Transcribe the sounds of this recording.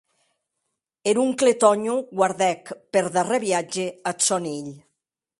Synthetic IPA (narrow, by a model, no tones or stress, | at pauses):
eɾuŋklet̪ɔɲuɡwaɾðɛkpeɾðareβjad͡ʒeasɔniʎ